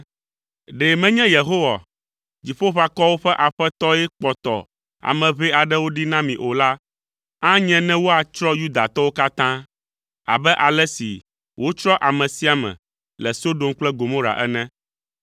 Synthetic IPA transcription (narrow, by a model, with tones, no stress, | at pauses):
ɖe˨mɛ̃˦ɲɛ̃˦je˨ɦo˦wa̰˨ | d͡ʑi˨ɸo˦ɸa˨kɔ˦wo˦ɸɛ˦ʔa˨ɸɛ˦t̪ɔ˦ɛ˦k͡pɔ˨t̪ɔ̰˨ | a̰˨mɛ̃˨βɛ˦a˨ɖɛ˦wo˦ɖi˦nã˦mĩ˨ʔo˨la˦ | ã˦ɲɛ̃˦nɛ̃˦wo˦a˨t͡ʃɾɔ˦ju˦d̪a˨t̪ɔ˦wo˦ka˦t̪ã˦ | a̰˨bɛ˦ʔa˨lɛ˦sḭ˨ | wʔo˦t͡ʃɾɔ˦ʔa˨mɛ̃˨si˦a˨mɛ̰̃˨ | lɛ˨so˦ɖo˨mk͡plɛ˦ɡo˨mõ˦ɾa̰˨ʔɛ˦nɛ̃˦